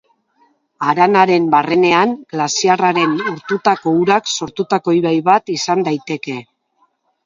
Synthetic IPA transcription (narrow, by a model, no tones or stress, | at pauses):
aɾanaɾe̞mbare̞ne̞aŋɡ̥lasiaraɾe̞nuɾt̪ut̪ako̞uɾakso̞ɾt̪ut̪ako̞jβajβat̪isand̪ajt̪e̞ke̞